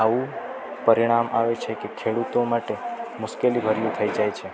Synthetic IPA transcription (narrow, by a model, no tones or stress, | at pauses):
aʋũ | pəɾiɽ̃amʔaʋet͡ʃʰekekʰeɽut̪omaʈemʊʃkelibʱəɾijũt̪ʰəid͡ʒajt͡ʃʰe